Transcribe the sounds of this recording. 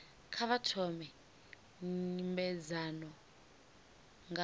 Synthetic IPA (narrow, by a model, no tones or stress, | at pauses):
kʰaβatʰɔmɛ | imbɛzanɔ | ŋa